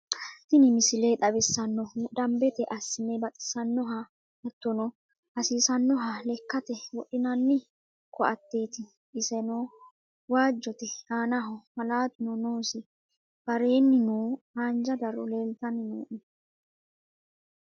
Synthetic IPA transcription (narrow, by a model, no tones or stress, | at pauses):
t̪ɪnɪmɪsɪleːᶑ̪ʼɐbɪsːɐnːɔd̪ɐmbɛt̪ɛʔɐsːɪnɛbɐt̪ʼɪ̥sɐnːɔɦa | ɐt̪ːɔnɔ | ɐsiːsɐnːɔɦalɛkːɐt̪ɛwɔʔɪnɐnːɪ | kɔʔɐt̪ːe̞ːt̪ɪ | ɪsɛnoː | waːd͡ʒːɔt̪ɛhaːnɐɦɔmɐlaːt̪ʊnɔnoːsɪ | b̥ɐɾe̞ːnːɪnuː | aːnd͡ʒɐd̪ɐɾɔle̞ːlt̪ɐnɪnṵːʔɪ